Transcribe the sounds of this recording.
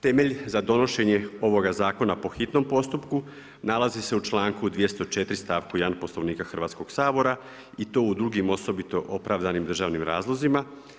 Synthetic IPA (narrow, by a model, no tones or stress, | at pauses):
t̪e̞me̞ʎzad̪o̞no̞ʃe̞ɲe̞o̞ʋo̞ɡazaːko̞napo̞xit̪no̞mpo̞st̪upku | nalˠazise̞ut͡ʃlˠaːŋkud̪ʋijest̪o̞t͡ʃe̞t̪ɾist̪aːʋkujeanpo̞slˠo̞ʋniːkaxr̩ʋaːt̪sko̞ɡ̥saːbo̞ɾa | it̪o̞ːud̪ɾuɡimo̞so̞bit̪o̞ʔopɾaʋd̪animd̪r̩ʒaːʋnimɾa̰ːzlˠo̞zima